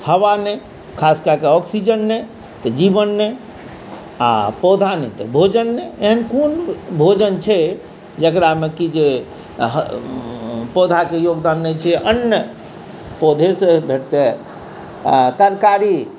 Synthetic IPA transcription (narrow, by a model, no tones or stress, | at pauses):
həʋanɛ | kʰaskakeɔksid͡ʒənːɛ | t̪əd͡ʒibənːe | a̰pod̪ʱanɛt̪əbʱod͡ʒənːɛeɦənkonbʱod͡ʒənt͡ʃʰɛ | d͡ʒəkɾamekid͡ʒe | ɦ | pod̪ʱakejoɡd̪anːɛt͡ʃʰɛənjə | pod̪ʱesebʱeʈt̪e | t̪əɾkaɾi